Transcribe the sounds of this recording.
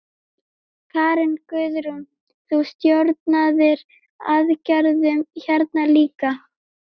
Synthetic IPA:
kʰaːɾɪnkʏðɾʏm | θust̪joɾt̪̚naðɪɾ | aðcœɾðʏmçɛɾt̪naliːka

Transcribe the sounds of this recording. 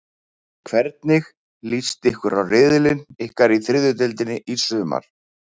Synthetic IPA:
kʰvɛɾt̪nɪx | list̪ɪhkvʏɾawrɪðɪlɪnɪhkaɾiθɾɪðʏt̪̬ɪlt̪ɪnːɪʔisʏːma̰ɾ̥

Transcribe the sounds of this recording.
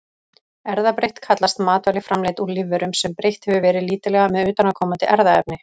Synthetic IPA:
ɛɾðapɾejht̪kʰat̪last̪maːt̪vajlɪfɾamleːjt̪uɾlɪvːɛɾʏmsɛmpɾejht̪hɛvʏvɛːɾɪðliːt̪ɪlɛɣamɛðʏːt̪anakʰɔːmant̪ɪʔɛɾðaɛpnɪ

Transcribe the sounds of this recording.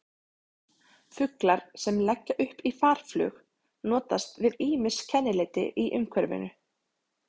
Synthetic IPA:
fʏklaɾ̥sɛmlɛcːaʔʏhpifaːɾ̥flʏ̰ːx | nɔːt̪ast̪vɪðiːmɪscʰɛnːɪlɪːt̪ɪ̰ʔiʔʏŋkʰvɛɾvɪ̰nʏ

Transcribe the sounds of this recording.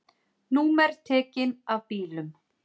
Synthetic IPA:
nuːmɛɾ̥t̪ʰɛːcɪnavpiːlʏm

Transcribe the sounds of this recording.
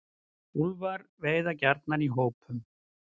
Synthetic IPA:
ulvaɾveːjðacaɾt̪naniɦoːwpʰʏm

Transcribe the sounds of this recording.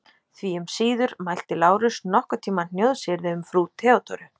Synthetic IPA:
θviʏmsiːðʏɾmajl̥t̪ɪlaːwɾʏsnɔhkat̪ʰiːmannjowðsɪɾðɪʏmfɾut̪ʰɛːɔt̪ʰɔɾʏ

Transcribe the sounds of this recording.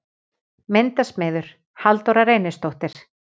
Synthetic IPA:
ment̪asmɛːðʏɾ̥ | halt̪owɾaɾeːjnɪst̪owht̪ɪɾ̥

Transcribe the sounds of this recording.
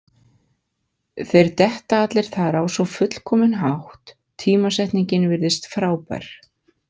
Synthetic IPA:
θejɾt̪ɛht̪aat̪lɪɾ̥θaðɛɾawsɔfʏt̪l̥kʰɔːmɪnɦawht̪ʰː | iːmasɛht̪niɲcɪnvɪɾðɪst̪fɾaːwpa̰ɾ̥

